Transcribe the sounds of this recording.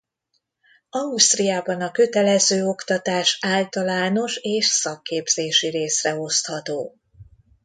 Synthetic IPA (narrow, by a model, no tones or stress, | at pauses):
ɒust̪rijaːbɒnɒkøt̪ɛlɛzøːo̞kt̪ɒt̪aːʃaːlt̪ɒlaːno̞ʃeːʃsɒkːeːbz̥eːʃiɾeːsrɛo̞st̪hɒt̪oː